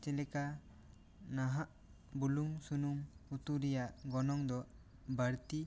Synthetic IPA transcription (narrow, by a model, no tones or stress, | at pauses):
t͡ʃɛlɛka | naɦaʔ | buluŋsunumut̪uɾɛjaʔɡɔnɔŋd̪ɔ | bəɾt̪i